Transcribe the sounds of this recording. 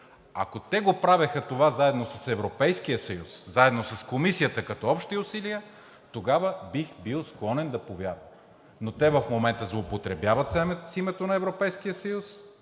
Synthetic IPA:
ɐ̰kot̪ɛɡopɾavəxət̪ovazaɛd̪nosɐsɛvɾopɛjsk̟ijəsɐjuszaɛd̪nosɐskomisijət̪əkɐt̪ɔɔpʃt̪iʊsiliə | t̪oɡavəbixbilˠsklˠɔnɛnd̪ɐpovʲjaɾvə | not̪ɛvɐfmomɛnt̪əzlˠoːpot̪ɾɛbjavət̪ssimɛt̪onɐɛvɾopɛjskijəsɐjus

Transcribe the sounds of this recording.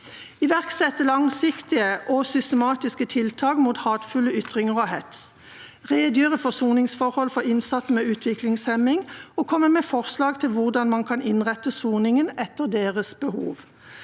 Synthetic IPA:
ɪʋæʁksɛt̪ːəlɑŋsɪkt̪ɪəʔɔsʏst̪əmɑːt̪ɪskət̪ʰɪlt̪ʰɑːkmuːt̪hɑːt̪fʉləʏt̪ʁɪŋəʁɔhɛt̪s | ʁeːd̪jyːʁəfɔsuːnɪŋsfɔʁhɔlfɔʁɪnsɑt̪smɛːʉːt̪ʰʋɪklɪŋshɛmɪŋɔːkʰɔmːəmɛːfɔʁslɑːɡt̪ʰɪlʋʊʁd̪ɑnmɑnkʰɑnɪnʁɛt̪ːəsuːnɪŋənɛt̪ːəʁd̪eːʁəsbəhṵːʋ

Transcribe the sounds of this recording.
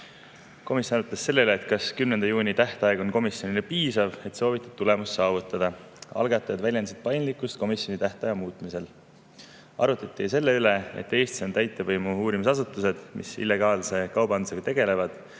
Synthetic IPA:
ko̞misjonɑɾut̪ˑːɑssːe̞lːeyleːt̪̚kɑskymnend̪ɑjuːnʲit̪æht̪ɑeɡ̥o̞nko̞misjo̞nilepiːsɑve̞t̪so̞ːvit̪ːˑɑ̥d̥̪̚t̪ule̞musːɑːvut̪ːˑɑd̪̥ɑ | ɑ̰lɡ̥ɑt̪ːˑɑjɑd̪̥vælʲjenset̪̚pɑjnlikːˑust̪̚ko̞misjo̞nit̪æht̪ɑjɑmuːt̪mise̞l | ɑ̰ɾut̪ːˑɑt̪ːˑis̬e̞lːe̞yle̞ḛt̪ːˑe̞ːst̪i̥so̞nt̪æjt̪ːˑevɤjmuuːɾimisɑsut̪ːˑuse̞d̪̥mḭsḭlːe̞ɡ̥ɑːlse̞kɑwbɑnd̪use̞ɡ̥ɑt̪e̞ɡ̥e̞le̞vɑd̪̥

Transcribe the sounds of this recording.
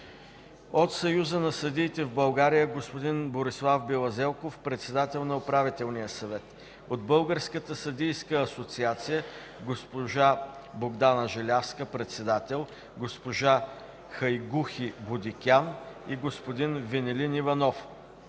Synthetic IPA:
ot̪sɐjuzənɐsɐd̪iːt̪ɛvbɐlˠɡaɾijəɡospod̪inboɾislˠafbilˠɐzɛlˠkofpɾɛt̪sɛd̪at̪ɛlˠnɐopɾavit̪ɛlˠnijəsɐvɛt̪ | od̪̚bɤlˠɡəɾskət̪əsɐd̪ijskəːsot̪siat̪sijə | ɡospoʒaboɡd̪anəʒɛlʲafskəpɾɛt̪sɛd̪at̪ɛlˠ | ɡospoʒa | xɐjɡuxibod̪ikʲaniɡospod̪invɛnɛlinivɐnɔf

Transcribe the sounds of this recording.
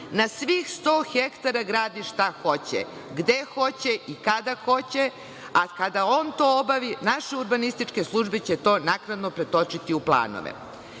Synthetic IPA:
nasʋixst̪o̞ːxekt̪aɾaɡɾaːd̪iʃt̪axo̞t͡ɕḛ | ɡd̪exo̞t͡ɕeʔikad̪axo̞t͡ɕe | akad̪ao̞ːnt̪o̞obaʋinaʃeuɾbanist̪it͡ʂke̞slˠuʒbet͡ɕet̪o̞ːnaknad̪nopɾet̪o̞t͡ʃit̪iuplˠa̰ːno̰ʋḛ

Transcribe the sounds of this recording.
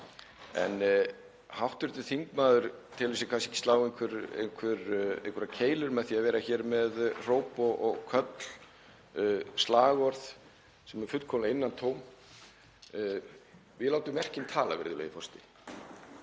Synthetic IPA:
ɛ̰n | hawht̪ʏɾt̪ʏθiŋkmaːðʏɾ̥t̪ʰɪlviːsɪkʰvans̬e̥hcɪ̥st̪aːwejŋkʰvʏɾḛjnkʰvʏɾḛŋkʰvɛɾacʰeːjlʏɾmɛðθiavɛːɾaçɛːɾmɛðr̥oːwpɔʔɔɣkʰœt̪l̥ | st̪laːɣɔɾθ | sɛmɛɾ̥fʏt̪kʰɔmlaɪnːant̪ʰoːwm | vɪðlaːwt̪ʏmɛr̥cɪnt̪ʰaːla̰vɛ̰ɾðɪlœ̰jðɪfɔst̪ɪ

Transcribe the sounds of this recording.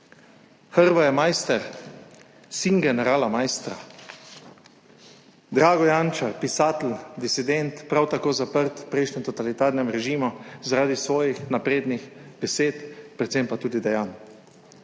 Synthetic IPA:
xəɾʋajɛmajst̪ɛɾ | siŋɡɛnɛɾaːlamajst̪ɾa̰ | d̪ɾaːɡɔjant͡ʃaɾpisaːt̪l̩d̪isid̪ɛnt̪pɾawt̪akoːzapəɾt̪pɾɛjʃɲɛmt̪ɔt̪alit̪aːɾnɛmɾɛʒiːmuzaɾaːd̪isʋɔːjixnapɾeːd̪nixb̥ɛseːt̪pɾɛt̪sempat̪uːd̪id̪ɛjaːn

